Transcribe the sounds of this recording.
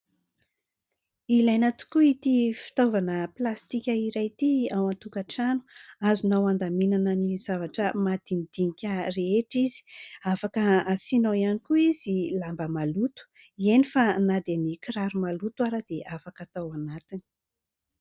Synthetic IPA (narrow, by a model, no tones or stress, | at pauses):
ilajnat̪u̥kuit̪ifi̥t̪ovanəplast̪ikʲəiɾajt̪iawant̪ukaʈ͡ʂanu̥azunawand̪aminanənizavaʈ͡ʂəmad̪inid̪̥inikʲəreeʈ͡ʂizi̥afakəasinaianikuiz̥ilambəmalut̪u̥ | ienifanad̪emikɾaɾumalut̪waɾəd̪̥eʔafakat̪awanat̪ini̥